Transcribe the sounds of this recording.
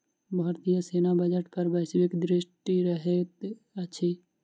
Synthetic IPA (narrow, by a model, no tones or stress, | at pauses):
bʱaːɾt̪ijəseːnabəd͡ʒəʈkəɾbɛsbɪkd̪ɾɪʃʈiɾəɦet̪ | əʃʰi